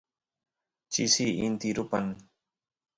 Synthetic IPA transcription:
t͡ʃisiʔint̪iɾʊpan

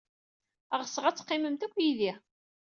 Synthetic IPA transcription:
æʁəsəʁæt͡sːə̥qːɪməmt̪ækʷːjiði

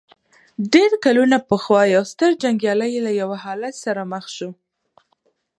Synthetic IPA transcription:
ɖeɾkalunapəxwɑjawst̪əɾd͡ʒaŋɡjɑləjelajawahɑlat̪saɾaməxʃu

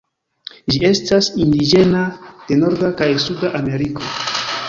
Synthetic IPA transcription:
d͡ʒie̞stasindid͡ʒe̞nad̥e̞no̞ɾdakajsudaʔame̞ɾiko̞

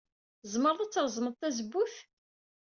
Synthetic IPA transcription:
zˤməɾˤðæt͡sːəɾˤzˤməˤt̪ːæzəbːuθ

